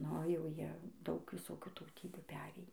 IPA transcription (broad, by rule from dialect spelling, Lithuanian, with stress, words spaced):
ˈnʊ jɛʊ ˈjiɛ ˈdɐʊk ʋʲɪˈsoːkʲuː tɐʊˈtʲiːbʲuː ˈpʲæːrʲeːjiː